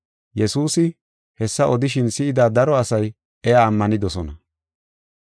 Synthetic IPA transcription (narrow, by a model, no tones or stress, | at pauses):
jɛsuːsɪ | hɛsːɐʔɔd̪ɪʃ̬ɪnsɪɪd̪aːd̪ɐɾɔɐsɐj | ɛjaːmːɐnɪd̪ɔsɔnɐ